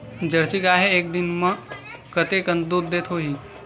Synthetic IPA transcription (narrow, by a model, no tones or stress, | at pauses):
d͡ʒɐɾsikaːɦeeːk̚d̪ɪnmə̃kɐt̪ekə̃nd̪uːd̪̚ːeːt̪ʰɦoɦiː